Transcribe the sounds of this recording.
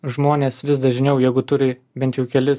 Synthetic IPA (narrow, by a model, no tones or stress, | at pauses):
ʒmoːnʲeːsʋʲɪsd̪ɐʒʲɪnʲɛʊjɛɪɡʊt̪ʊɾʲɪ | bʲɛnt̪ʲjɛʊkʲɛlʲɪ